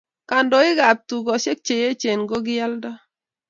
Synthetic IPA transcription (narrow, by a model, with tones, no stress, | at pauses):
ka˨ndɔ˨ɪ˦ɡa˨p̚tu˨ɡɔ˨ʃe˦k̚t͡ʃe˨je˦t͡ʃe˨nɡo˦ɡɪ˦a˦lda˦